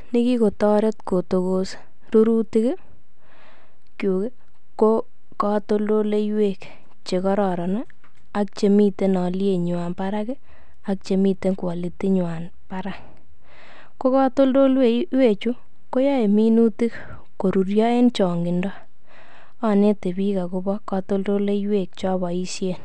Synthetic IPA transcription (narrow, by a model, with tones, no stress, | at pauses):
nɪ˦ki˦ko˨tɔ˦ɾe˦tko˨to˨kos | ɾu˦ɾu˦tɪ˦k | kju˨ke˦ | ko˦ | kɔ˦to˦ldo˦le˦jwe˦˨k | t͡ʃe˨kɔ˦ɾɔ˨ɾɔ˨na˦ | a˦k̚t͡ʃe˨mi˦te˦nɔ˨lje˨ɲ˨a˨npa˦ɾa˦kɪ˦ | a˦k̚t͡ʃe˨mi˦te˦ŋkwa˨li˨ti˦ɲʊ˨a˨n | pa˦ɾa˦k | ko˦kɔ˦to˦ldo˦lwe˦we˦˨t͡ʃu˦ | ko˦ja˦e˨mi˦nu˦ti˦k | ko˨ɾu˨ɾjɔ˦e˦nt͡ʃɔ˨ŋɡɪ˨ndɔ˦ | ɔ˨ne˦te˨bi˦ka˨ku˧˦bɔ˦kɔ˧to˦ldo˦le˦jwe˨k̚t͡ʃɔ˦βɔ˨i˦sje˦˨n